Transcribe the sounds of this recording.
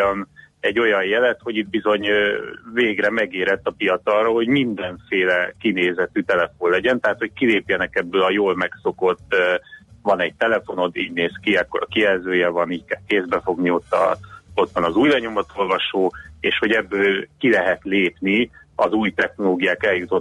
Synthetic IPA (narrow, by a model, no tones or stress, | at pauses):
nɛɟːo̞jɒjjɛlɛt̪ho̞ɟit̪̚bizo̞ɲveːɡrɛmɛɡeːɾɛt̪ːɒpijɒt̪sɒroɦo̞ɟmind̪ɛɱfeːlɛkineːzɛt̪yːt̪ɛlɛfonlɛɟɛnt̪ɛɦaːt̪ho̞c̚kileːpjɛnɛkɛbːøːlɒjoːlmɛkso̞ko̞t̪ː | vɒnɛɟ̚t̪ɛlɛfo̞no̞t̪ːiːɟneːskiɛkːoɾɒkiɛlzøːjɛvɒniːckɛlkeːzd̪bɛfo̞ɡnio̞t̪ːɒ̰o̞t̪ʋɒnɒzuːjlɛɲomɒt̪o̞lvɒʃoːeːʃho̞ɟɛbːøːlkilɛɦɛt̪leːpniɒzuːjt̪ɛxno̞loːɡijaːkɛljut̪o̞t̪